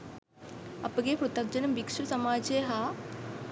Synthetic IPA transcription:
ɐpɐɡeːpɾut̪ɐɡ̚d͡ʒɐnɐmbikʂɾɐsɐmaːd͡ʒeːɦa

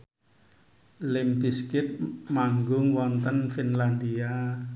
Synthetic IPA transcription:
lɪmbiskɪt̪̚maŋɡʊŋwɔnt̪ənfinland̪ia

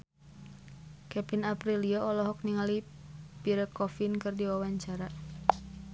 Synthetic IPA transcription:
kɛpinapɾiliɔɔlɔɦɔk̚niŋalipiɾəkɔfinkɨrdiwawaɲt͡ʃaɾa

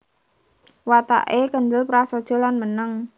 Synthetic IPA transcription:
wat̪a̰ʔekəɲd͡ʒəlpɾasod̥ʒ̥ɔ̤lanmənəŋ

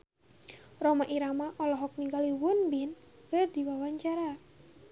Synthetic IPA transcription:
rɔmaʔiɾamaʔɔlɔɦɔk̚niŋɡaliwunbinkɨrdiwawaɲt͡ʃaɾa

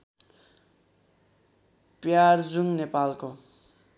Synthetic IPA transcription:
pjard͡zuŋnepalko

